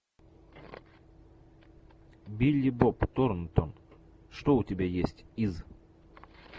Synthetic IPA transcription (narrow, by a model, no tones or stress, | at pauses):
bʲilʲibopt̪oɾnt̪ɔn | ʃt̪outʲebʲejesʲtʲiz